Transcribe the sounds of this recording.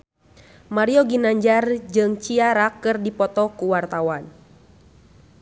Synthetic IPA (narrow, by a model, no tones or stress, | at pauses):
maɾiɔɡinaɲd͡ʒard͡ʒɨŋt͡ʃiaɾakːɨrdipɔt̪ɔkuwart̪awan